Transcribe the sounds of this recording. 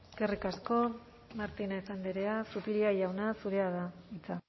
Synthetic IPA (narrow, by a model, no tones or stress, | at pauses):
kerikasko̞ | maɾt̪ine̞sand̪eɾe̞asupiɾiajawnasuɾe̞aðait͡sa